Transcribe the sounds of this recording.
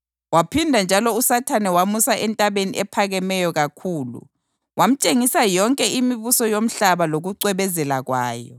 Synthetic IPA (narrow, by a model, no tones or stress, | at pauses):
wapʰindʱand͡ʒʱalɔusatʰanɛwamusaʔɛntʼaβenḭʔɛpʰaɣɛmɛjɔɣakʰuːlṵ | wam̩t͡ʃʼeŋisajɔŋkʼɛʔimiβusɔjom̩ɬaβaloɣuǀwɛβɛzɛlaɣwaːjɔ̰